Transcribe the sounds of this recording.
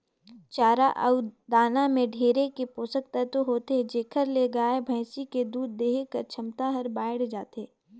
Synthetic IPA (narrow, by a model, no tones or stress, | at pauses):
t͡ʃaːɾaʔɐʊd̪aːnamẽɖʱeːɾekepoːsəkt̪ɐt̪oɦoːt̪ed͡ʒeːkʰəɾleɡaːebʱɐ̃ːsiked̪uːd̪ːeːɦkɐɾt͡ʃʰɐmt̪aɦɐɾbaːɪɽd͡ʒaːt̪eː